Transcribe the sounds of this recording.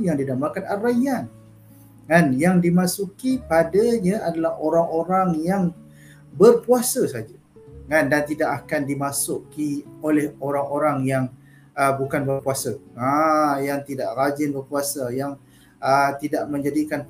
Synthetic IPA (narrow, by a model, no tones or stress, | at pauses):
jaŋdidamarkanaraian | ŋanjaŋdimasukipadaɲãadalahoɾaŋoɾaŋjaŋ | bərpuasəsad͡ʒa | ŋandant̪idaʔakandimasʊkiolɛhoɾaŋoɾaŋjaŋ | əbukanbərpuasəajaŋt̪idaʔrad͡ʒɪnbərpuasajaŋ | ət̪idaʔmə̃ɲd͡ʒadikan